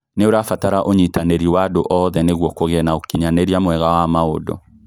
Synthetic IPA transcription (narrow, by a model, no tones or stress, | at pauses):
neoɾafataɾaʔoɲitaneɾiwadoʔɔðɛneɣwɔkoɣɛnaokiɲaneɾiamwɛɣawamaodɔ̰